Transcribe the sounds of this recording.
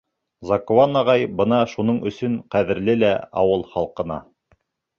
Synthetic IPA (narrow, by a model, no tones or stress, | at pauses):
zɑkowɑnɑʁɑjbɤnɑʃunɤɴɵ̆sɵɴqæðɘ̆ɾlɘlæɑ̰wɤlˠχɑlˠqɤ̆nɑ̰